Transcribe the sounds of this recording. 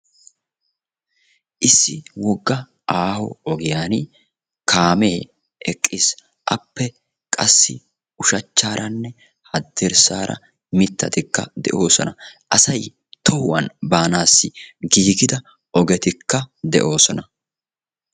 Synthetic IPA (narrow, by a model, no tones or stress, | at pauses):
ʔɪsːɪwɔɡːɐ | ʔaːhɔ̰ɔɡɪjaːn | kʰaːme̞ː | ʔɛkʼːis | ʔɐpːɛ | kʼɐsːɪ | ʊʃɐt͡ʃːaːɾʔɐnːɛ | hɐd̪ːɛɾsaːɾʔɐ̰ | mɪt̪ːɐt̪ɪkːɐ̰d̪ɛ̰ʔo̞ːsɔ̰nɐʔɐsɐj | t̪ʰɔhwɐ̰nbaːnaːsːɪɡiːɡɪd̪ɐ | ʔɔɡɛt̪ɪkːɐd̪ɛʔo̞ːsɔnɐ